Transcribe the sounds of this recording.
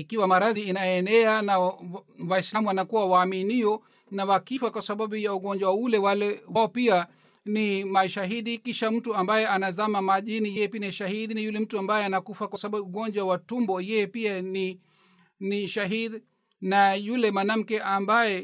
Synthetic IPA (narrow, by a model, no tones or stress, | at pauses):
ikiwamaɾaziːnajɔɛnɛanawaislamuwanakuwawaːminiɔ | nawakifakwasaɓaɓujauɡɔɲd͡ʒwawulɛwalɛwaɔpia | nimaʃaɦiɗikiʃam̩tuambajɛʔanazamamaʄinijɛjɛpiniʃaɦiɗinajulɛm̩tuambajɛanakufakwasaɓauuɡɔɲd͡ʒwawatumbɔjɛjɛpiani | niʃaɦiɗ | najulɛmanam̩kɛʔambajɛ